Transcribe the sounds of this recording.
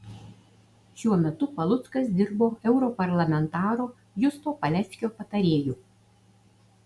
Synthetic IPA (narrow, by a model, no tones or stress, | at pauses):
ʃʲuɔmʲɛt̪ʊpɐlˠʊt̪skɐsd̪ʲɪɾboːɛʊɾɔpɐɾlˠɐmʲɛnt̪ɑːɾoː | jʊsp̪oːpɐlʲɛsʲkʲoːpɐt̪ɐɾʲeːjuː